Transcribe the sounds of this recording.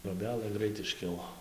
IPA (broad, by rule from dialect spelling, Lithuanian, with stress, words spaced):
troːˈbʲæːlˠɘ ˈɡrɐɪt ɪʃʲˈkʲɪlˠoː